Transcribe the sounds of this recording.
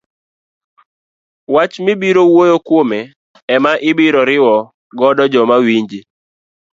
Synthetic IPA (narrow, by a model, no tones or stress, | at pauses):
wat͡ʃmɪbiɾowojokwomɛ | ɛmaʔɪbɪɾɔɾɪwɔ | ɡɔdɔd͡ʒɔmawiɲd͡ʒi